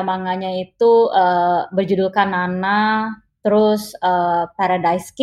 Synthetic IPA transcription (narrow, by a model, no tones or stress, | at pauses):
maŋaɲait̪uəbərd͡ʒudʊlkanana | t̪əɾʊsəpaɾadajsk